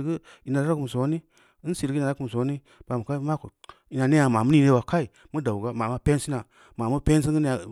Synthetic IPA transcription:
ɡə˦ | i˨na˨ɾa˦ɾa˦ku˨m˨so˨˦ni˦ | n˦si˨ɾɡna˨a˦ku˨m˨so˨˦ni˦ | b̥a˨mu˨ka˦i˦ma˦ko˨ | i˨na˨ne˦ja˨ma˨mu˦ni˨ne˦wa˨ka˦i˨ | mu˦da˨u˨ɡa˦ma˨ma˦pe˦n˦si˦na˨ | ma˨mu˦pe˦n˦s̬i˦ŋ˦ɡə˦n˦a˨

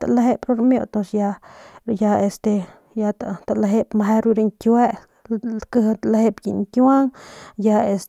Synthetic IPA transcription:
t̪a̰˨la˧ɦe˦pɾo˦ɾmjo˧t̪o˧ʂja˧ja˧e˧st̪e˧ | ja˧t̪a˨t̪a˧la˧ɦe˦pma˧ɦe˦ɾu˧ɾe˧ŋkʲwe˦ | kɨ˧ht̪ala˧he˧pji˨ŋkʲa˦ŋja˧e˧s

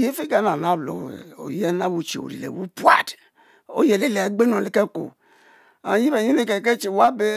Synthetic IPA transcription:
je˦fe˦ɡa˨˦na˨na˦˨blo̰˨ḛ˨o̰˨je˦na˦wu˨t͡ʃḛ˨o̰˨ɾḭ˨lḛ˨wu˦pu˦a̰˨d | o̰˦je˨le˦le˨ɡ͡be˦no˨le˨ke˦ko̰˨ | a̰˨ji˦be˨ɲi˦ne˦ke˨ke˦t͡ʃe˨wa˦be˦

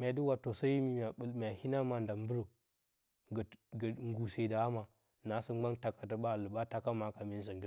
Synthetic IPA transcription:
mʲ˨a˨di˦wa˨tːo˨so˦ji˦mi˨m˨a˨ɓə˦lm˨a˨hi˦na˦ma˨nda˨m˦bu˦ɾo˨ | ɡə˨ɡŋ˦ɡu˨se˨da˨a˦ma˨ | na˨˦sə˦ɡ͡ba˦ŋta˨ka˨tə˨ba˦˨lɨ˨ba˦ta˦ka˦ma˨ka˨mi˦n˦s̬ə˨ɡi˦

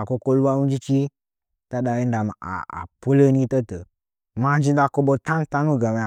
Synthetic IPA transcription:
a˨ko˧ko˧lu˦a˦nu˦d͡ʒi˦t͡ʃi˦ | ta˦da˧ji˦n˦da˨ma˨a̰˨a̰˨po˦lə˦ni˦tə˦tə˨ | ma˧d͡ʒi˧da˧ko˧ɓo˧tã˦n˦ta˦nu˦ɡa˨me˨˧a˨

